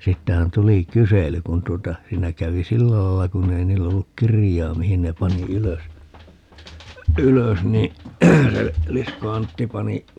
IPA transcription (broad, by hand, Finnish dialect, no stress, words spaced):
siːtːæhæn tuli kysely kun tuotɑ siːnæ kæʋi silːæ lɑilːɑ kunːei niːlː olːuk kirijˑɑː mihin ne pɑni yløs yløs ni se lisko ɑntːi pɑni